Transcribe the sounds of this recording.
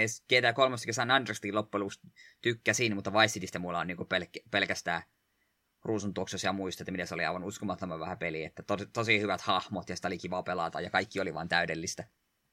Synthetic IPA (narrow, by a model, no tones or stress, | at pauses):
esket̪æːkolmɑst̪ːkesænːɑndrst̪ilopːeluːst̪t̪ykːæsiːnmut̪ːɑʋɑisːit̪ist̪æmulːɑoniːŋkupelkːæpelkæst̪æː | ruːsunt̪uoksesjɑmuist̪ɑet̪ːæmit̪eseoliɑ̰iʋɑnuskomɑt̪ːomɑʋʋæhæpeliḛt̪ːæt̪ot̪osihyʋæt̪hɑhmot̪jɑsi̥t̪olikiʋɑːpelɑ̰t̪ɑ̰jɑkɑikːioliʋɑ̰ːnt̪æydelːist̪æ